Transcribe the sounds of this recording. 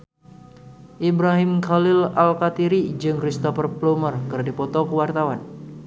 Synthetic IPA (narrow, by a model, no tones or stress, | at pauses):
ʔibɾaɦɪmkalɪlalkat̪iɾid͡ʒɨŋkɾist̪ɔfərplumərkɨrdipɔt̪ɔkəwart̪awan